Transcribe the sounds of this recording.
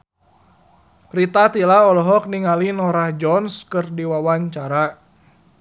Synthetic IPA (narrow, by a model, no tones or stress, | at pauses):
ɾit̪at̪ilaɔlɔɦɔk̚niŋalinɔɾahd͡ʒɔnskɨrdiwawaɲt͡ʃaɾa